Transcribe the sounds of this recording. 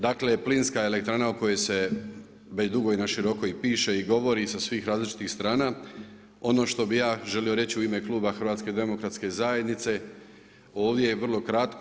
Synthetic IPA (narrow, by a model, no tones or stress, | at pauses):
d̪akle̞plinskae̞le̞k̚t̪ɾaːnaoko̞je̞se̞ | ʋed̪uɡo̞jnaʃiɾo̞ko̞ipiːʃe̞iɡo̞ʋo̞ɾisasʋiːxɾaːzlit͡ʃi̥t̪ixst̪ɾaːna | o̞no̞ːʃt̪o̞bijaːʒe̞lio̞ɾe̞t͡ɕiuime̞klˠuːbaxr̩ʋaːt̪sked̪e̞mo̞kɾat̪ske̞zaje̞d̪nit̪se̞ | o̞ːʋd̪je̞jeʋərlˠo̞kɾat̪k